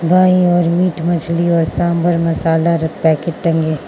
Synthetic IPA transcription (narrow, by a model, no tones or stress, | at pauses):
bʱaːiɔːɾmiːʈmɐd͡ʒʰliɔːɾsãːmbəɾmɐsaːlaɾɐpɛːkeʈɐ̃ŋɡeː